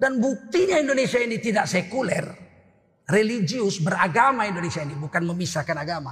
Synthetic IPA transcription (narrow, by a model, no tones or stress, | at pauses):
danbuk̚t̪iɲaindonesiainit̪idaʔsekulɛr | relid͡ʒiʊsbəɾaɡamaindonesiainibukanməmisakanaɡama̰